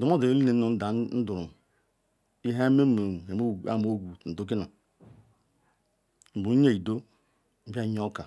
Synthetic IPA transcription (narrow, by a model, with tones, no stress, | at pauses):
du˨mo˦do˨e˦li˦ne˨˦o˨n̩˦da˨n̩˦du˨ɾu˨ | i˦ɦa˦me˦mo˨e˨mo˦˨a̰˦˨mo˦ɡu˨n̩˨du˦k̬i˦na˨ | m̩˨bu˨ɾu˦ɲe˦˨i˨do˦ | m̩˦ba˦ɲ˦o˦ka˨